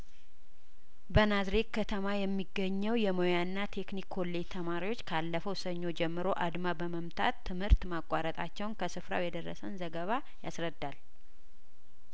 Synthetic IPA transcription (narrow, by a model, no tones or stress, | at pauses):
bənazɾe̞k̪̚kʰət̪ʰəmajɛmːiɡːəɲːɛwjɛmojanːat̪ʰe̞knikʰːo̞lːe̞t̪ʰəmaɾiwo̞t͡ʃːkʰalːəfəwsəɲːo̞d͡ʒɛmːɨɾo̞ʔad̪mabəməmt̪ʰa̰t̪ːɨmhɨɾt̪makʼːaɾət̪ʼat͡ʃːɛwnkʰəsɨfɾa̰wjɛd̪ərːə̰sənzəɡəβa | ja̰sɾəd̪ːal